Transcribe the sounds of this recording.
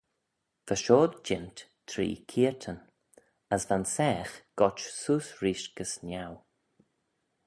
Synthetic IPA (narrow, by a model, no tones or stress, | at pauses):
v̥əʃoːd̪̚d͡ʒɪnt̪tʰɾḭːkʰiːəɹt̪ʰən | əsvansɛːxɡ̥ɔt͡ʃsuːsɹiːʃɡ̥əsnaw